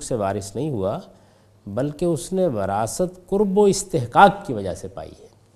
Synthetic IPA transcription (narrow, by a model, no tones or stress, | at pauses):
kseʋaːɾɪsnɐɦĩɦua | bɐlkeʊsneʋɐɾaːsət̪kʊɾboɪst̪eɦkaːkkiʋɐd͡ʒa̰sepa̰ːḭɦɛː